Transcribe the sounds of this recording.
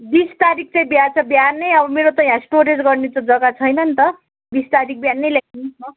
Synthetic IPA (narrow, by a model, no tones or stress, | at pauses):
bist̪aɾik̚ʰt͡sʌĩbjat͡sʰʌbjanːʌjʌbʌmeɾot̪ʌjãsʈoɾed͡zɡʌrnet͡sʌd͡zʌɡat͡sʰʌjnʌnt̪ʌ | bist̪aɾik̚ʰbjanːʌjlakʰnisʰʌ